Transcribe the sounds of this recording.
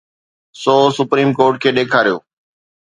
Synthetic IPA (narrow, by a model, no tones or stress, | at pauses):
sɔːsʊpɾiːmkoːɾʈkʰeːɗeːkʰaːɾijoː